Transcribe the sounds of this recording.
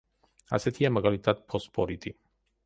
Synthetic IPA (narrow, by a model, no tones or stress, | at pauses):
a̰sɛt̪ʰiamaɡalit̪ʰat̪̚pʰɔspʰɔɾit̪ʰi